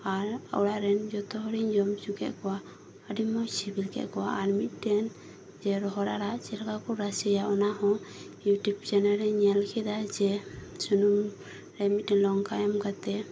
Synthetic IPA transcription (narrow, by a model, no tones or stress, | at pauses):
aɾə̰wɽaʔɾɛnd͡ʒɔt̪ɔɦɔɾiɲd͡ʒɔmt͡ʃukɛ̰ʔkɔwa | əɖimɔsibilkɛ̰ʔkɔwaʔːɾmit̪̚ˀdɛn | d͡ʒɛɾɔɦɔɾaɾaʔt͡ʃɛɾakakuɾasɛjaɔnahɔ̃juʈubd͡ʒanɛɾɛɲalkʰɛd̪ad͡ʒɛsunum | ɾɛmit̪̚dɛnlɔŋkajɔmkat̪ɛ